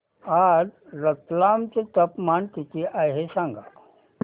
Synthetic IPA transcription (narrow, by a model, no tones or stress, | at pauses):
adɾət̪lamt͡set̪əpmant̪it̪iʔajɦesãŋɡat̪